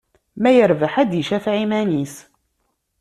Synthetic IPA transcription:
mæjəɾvəħæd̪jəʃæθʕimænis

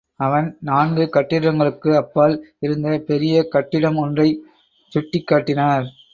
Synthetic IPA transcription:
ɐʋɐnnaːnɡɯkɐʈːɪɽɐŋɡɐɭɯkːɯɐpːaːlɪɾɯnd̪ɐpɛɾɪjɐkɐʈːɪɽɐmɔndrɐɪ | sʊʈːɪkːaːʈːɪnaːɾ

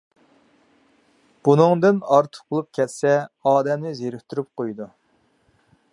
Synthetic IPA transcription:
b̥unɨŋd̪ɨnɑɾt̪ʰə̥q̚bolˠup̚kʲʰɛt̪sɛɑːd̪ɛmnɪzeɾyhʲt̪ʰyɾyp̚qojd̪u

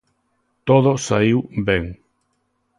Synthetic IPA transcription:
t̪oðosaiwbeŋ

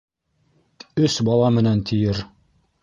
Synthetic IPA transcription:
ɵsbɑlˠɑmɘ̆nænt̪ʰijɘɾ

